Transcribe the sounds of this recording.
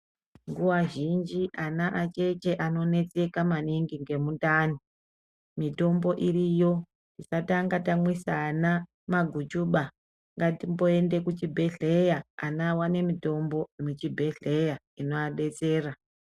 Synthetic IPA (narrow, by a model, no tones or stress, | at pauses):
ŋɡuwaʒind͡ʒiʔanaʔat͡ʃe̞t͡ʃe̞ʔano̞ne̞t͡se̞kamaniŋɡiŋɡe̞muntaːni | mito̞mbo̞ʔirijo̞ | tisataŋɡatamwisaːna | maɡʱut͡ʃuɓa | ŋɡatimbo̞e̞nde̞kut͡ʃibʱe̞ɮejaːnawane̞mito̞mbo̞imut͡ʃibʱe̞ɮe̞ja | ino̞aɓe̞t͡se̞ːra